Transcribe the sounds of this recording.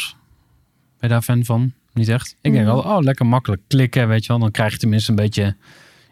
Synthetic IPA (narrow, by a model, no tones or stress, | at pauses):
b̥ɛjdaːfɛnvɔn | nitɛxtɪɡ̚dɛŋkɔlˠoːlɛkəɹmɑkələkːlɪkəʋejtjəʋɛlˠdɔnkrɛjxjətəmɪnstənbeːtjə